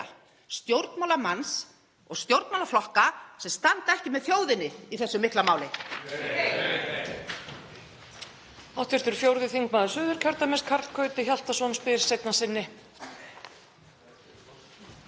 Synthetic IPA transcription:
st̪jowɾt̪nmawlamans | ɔɣst̪jowɾt̪mawlaflɔhkasɛmst̪ant̪aɛhcɪmɛðθjoːwðɪnːɪiθɛsːʏmɪht̪lamaːwlɪ | awt̪vɪɾ̥t̪ʏɾ̥fjowɾðɪθiŋkmaːðʏsʏːðʏɾ̥cʰœɾt̪amɪskʰaɾ̥kʰœɥt̪ɪçal̥t̪asɔnspɪɾ̥sejt̪nasɪnːɪ

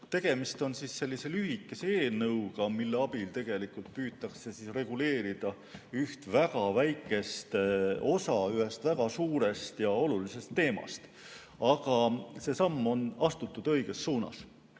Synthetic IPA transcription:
t̪e̞ɡ̥e̞mist̪o̞nsisːe̞lʲːise̞lyɦikːˑeseeːlnɤwɡ̥ɑmilːe̞ɑbilt̪e̞ɡ̥e̞likˑult̪̚pyːt̪ːˑɑkse̞sisre̞ɡ̥ule̞ːɾid̪̥ɑ | yht̪væɡɑvæjkːˑe̞st̪o̞sɑyɦe̞st̪væɡ̥ɑsuːɾe̞st̪jɑo̞lulise̞st̪ːe̞ːmɑ̰st̪ | ɑɡ̥ɑse̞ːsɑmːo̞nɑst̪ut̪ːˑud̪̥ɤ̞jɡ̥e̞sːuːnɑ̰s

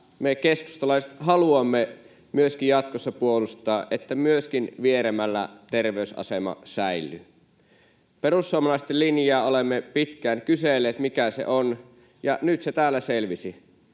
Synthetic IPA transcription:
mekesku̥st̪ɑlɑˑiset̪ɦɑluɑmːe | myøskijjɑt̪̚kosːɑpuolust̪ˑɑːʔʔet̪ːæmyøskinʋieɾemælːæ̰t̪erʋeysʔɑ̰semɑ̰sæilːy | peɾrusːuɑmɑlɑˑist̪elːinjɑːolemːepit̪kæːnkyselːˑeːt̪mikæsḛʔon | jɑnyt̪set̪æːlːæselʋisi

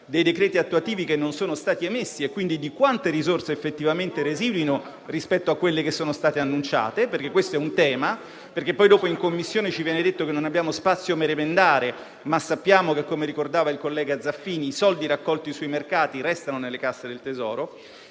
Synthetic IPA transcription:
d̪ejd̪ekɾɛːt̪iat̪ːuat̪iːvikenːonsoːnost̪aːt̪iemesːiekːwind̪id̪ikwant̪eɾizorseːfːet̪ːivament̪eɾeziːd̪wino | rispɛt̪ːoakːwelːekesːoːnost̪aːt̪eanːunt͡ʃa̰ːt̪eperk̟ekːwest̪oɛunt̪ɛːma | perk̟epːɔjd̪oːpoiŋkomːisːjoːnet͡ʃivjɛːned̪et̪ːokenːonabjaːmospat̪sːjomeɾemend̪aːɾe | masːapːjaːmokekːomeɾikord̪aːvailkolːɛːɡad̪zːafːiːniːsɔld̪iɾakːɔlt̪isuimerkaːt̪iɾɛst̪anonelːekasːed̪elt̪ezɔːɾo

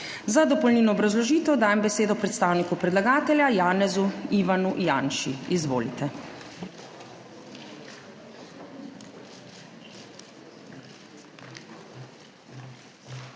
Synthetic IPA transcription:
zad̪ɔpɔlniːnɔːbɾazlɔʒiːt̪ɛwd̪aːjɛmbɛseːd̪ɔpɾɛt̪st̪aːwnikupɾɛd̪laɡaːt̪ɛljajaːnɛzuiʋanujaːnʃiizʋo̰ːlit̪ɛ

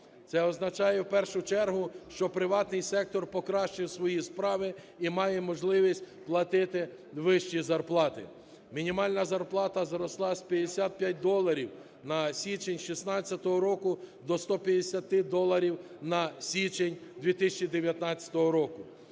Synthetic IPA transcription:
t̪sɛɔznɐt͡ʃɑjɛwpɛrʃʊt͡ʃɛrɦʊʃt͡ʃɔpɾɪʋɑt̪nɪjsɛk̚t̪ɔrpɔkɾɑʃt͡ʃɪwsʋɔjispɾɑʋɪ | imɑjɛmɔʒlˠɪʋʲisʲtʲplˠɐt̪ɪt̪ɪ | ʋɪʃt͡ʃizɐrplˠɑt̪ɪ̰ | mʲinʲimɑlʲnɐzɐrplˠɑt̪ɐzɾɔslˠɑsʲpʲjɐd̪esʲat̪̚pʲjat̚ʲd̪ɔlˠːɐɾʲiw | nɐsʲit͡ʃenʲʃisnɑt͡st͡sʲːɐt̪ɔɦɔɾɔkʊd̪ɔst̪ɔpʲjɐd̪esʲɐt̪ɪd̪ɔlˠɐɾʲiw | nɐsʲit͡ʃenʲd̪ʋʲit̪ɪsʲɐt͡ʃid̪eʋʲjɐt̪nɑt͡sʲɐ̥t̪ɔɦɔɾɔkʊ

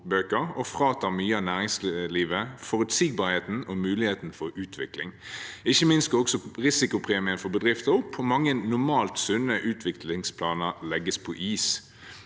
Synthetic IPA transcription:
bøːkəɾɔfʁɑːt̪ɑmyːəɑnæːʁɪŋsliːʋəfɔɾʉt̪siːɡ̚bɑːɾheːt̪n̩ɔmʉːlɪheːt̪n̩fɔɾʉːt̪ʰʋɪklɪŋɪçːəmɪnst̪̚ɡɑɔksɔʁɪsɪkʊpʰʁeːmɪənfɔbəd̪ʁɪft̪əʊpʰɔmɑŋːənnʊmɑːlt̪sʉnəʔʉːt̪ʰʋɪklɪŋspʰlɑːnəʁlɛɡəspʰɔʔiːs

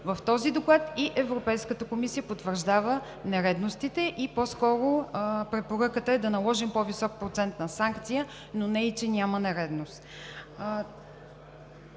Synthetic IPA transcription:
vəft̪ɔzid̪oklˠat̪iʔɛvɾopɛjskət̪əkomisijəpot̪vəɾʒd̪avə | nɛɾɛd̪nost̪it̪ɛʔipɔskɔɾopɾɛpoɾɤkət̪əɛd̪ɐnɐlˠɔʒimpɔvisɔk̚pɾot̪sɛnt̪nɐsaŋkt̪sijə | nonɛit͡ʃɛnʲamənɛɾɛd̪nost̪

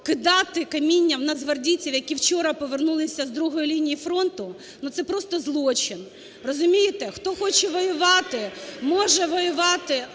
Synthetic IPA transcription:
kɪd̪ɑt̪ɪkɐmʲinʲːɐwnɐzɦɐrdʲit͡sʲiwjɐkʲiwt͡ʃɔɾɐpɔʋernulˠɪsʲɐzd̪ɾuɦɔjilʲinʲijifɾɔnt̪ʊ | nut̪sɛpɾɔst̪ɔzlˠɔt͡ʃɪn | rɔzʊmʲijɪt̪ɛxt̪ɔxɔt͡ʃɛʋɔjʊʋɑt̪ɪmɔʒɛʋɔjʊʋɑt̪ɪ

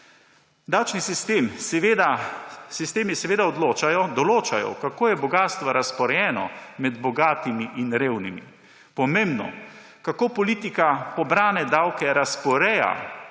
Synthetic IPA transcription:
d̪awt͡ʃnisist̪eːmsʋed̪asist̪eːmisɛʋeːd̪aɔd̪loːt͡ʃajɔd̪ɔloːt͡ʃajɔ̰kakoːjɛbɔɡaːst̪ʋaɾaspɔɾɛjɛːnɔ̰mɛd̪bɔɡaːt̪imiʔinɾeːwnimḭ | pɔmẽːmbnɔ̰ | kakoːpɔliːt̪ikapɔbɾaːnɛd̪awkɛɾaspɔɾɛja̰

